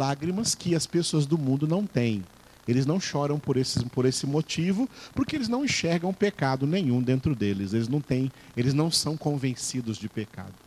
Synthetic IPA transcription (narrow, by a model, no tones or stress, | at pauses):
aɡɾimɐskɪɐspesoɐzd̪ʊmũnd̪ʊnɐ̃w̃t̪ẽj̃ | elɪznɐ̃w̃ʃɔɾɐ̃w̃poɾesɪspoɾesɪmot͡ʃivʊpʊɾkɪelɪznɐ̃w̃ĩʃɛɾɡɐ̃w̃pekad̪ʊnẽj̃ũd̪ẽnt̪ɾʊd̪elɪselɪznɐ̃w̃t̪ẽj̃ | elɪznɐ̃w̃sɐ̃w̃kõvẽsid̪ʊzd͡ʒɪpeka̰d̪ʊ